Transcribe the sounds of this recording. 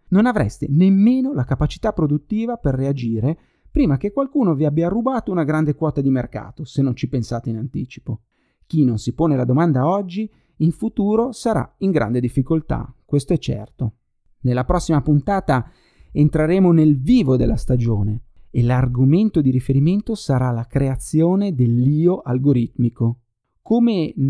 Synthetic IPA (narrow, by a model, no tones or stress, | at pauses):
nonavɾɛ̰st̪enemːeːnolakapat͡ʃi̥t̪apːɾod̪ut̪ːiːvaperːead͡ʒiːɾe | pɾiːmak̟ekːwalkuːnoviabːjarubaːt̪ounaɡɾand̪ekwɔːt̪ad̪imerka̰ːt̪osenːont͡ʃipensaːt̪einant̪iːt͡ʃi̥po | k̟inonsipoːnelad̪omand̪aɔd͡ʒːi | iɱfut̪uːɾosaɾa̰iŋɡɾʔa̰nd̪ed̪ifːikolt̪a̰kwest̪oɛt͡ʃːɛ̰rt̪o | nelːapɾɔsːimapunt̪aːt̪a | ent̪ɾeɾeːmonelviːvod̪elːast̪ad͡ʒoːneelarɡoment̪od̪iɾifeɾiment̪osaɾalakɾeat̪sːjoːned̪elːiːoʔalɡoɾit̪miko | koːme